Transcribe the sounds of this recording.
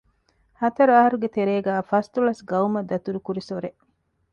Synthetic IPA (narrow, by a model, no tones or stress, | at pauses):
hɐt̪ɐɾuɐɦɐɾuɡet̪eɾeːɡæːfɐst̪ulɐsɡɐumɐd̪ːɐt̪uɾukuɾisoɾe